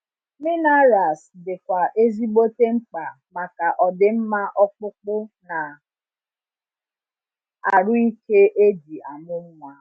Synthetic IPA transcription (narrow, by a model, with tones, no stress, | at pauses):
mɪ˦na˦ɾa˨sdɪ˨kʷa˨ʔe˦zi˦ɡ͡bo˦te˦ŋ͡m̩˦k͡pa˨ | ma˨ka˨ʔɔ˨dɪ˨m̩˦ma˦ʔɔ˦k͡pʊ˦k͡pʊ˦na˨ | a˨ɾʊ˦i˦ke˦ʔe˦di˨a˨mʊ˦m̩˦ŋʷa˨